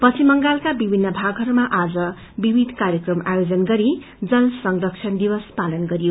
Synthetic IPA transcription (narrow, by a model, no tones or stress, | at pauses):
pʌt͡sʰimʌŋɡalkabibʱinːʌbʱaɡɦʌɾumaʔad͡zʌ | bibʱid̪ʱkaɾjʌkrʌma̰jod͡zʌnɡʌɾi | d͡zʌlsʌŋrʌk̚t͡ʃʰʌnd̪ibʌspalʌnɡʌɾijo